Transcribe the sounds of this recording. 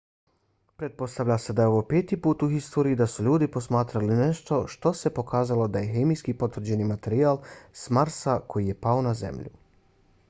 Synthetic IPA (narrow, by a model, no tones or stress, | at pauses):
pɾe̞t̪̚po̞st̪aʋʎʲase̞d̪ajeo̞ʋo̞peːt̪ipuːt̪uxist̪oːɾijːd̪asuʎuːd̪ipo̞smaːt̪ɾaline̞ʃt̪o̞ʃt̪o̞se̞po̞kaːzalo̞d̪aje̞xemijskipo̞t̪ʋr̩d͡ʑe̞nimat̪e̞ɾiaːlˠsmaɾsakʰo̞jije̞paonazḛmʎṵ